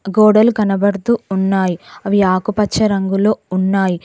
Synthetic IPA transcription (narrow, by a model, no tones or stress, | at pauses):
ɡoːɽɐlɡɐnɐbɐɽut̪uːnːaːjiɐʋiaːkupɐt͡ʃt͡ʃːʃɐɾɐŋɡulo̞ːunːaːji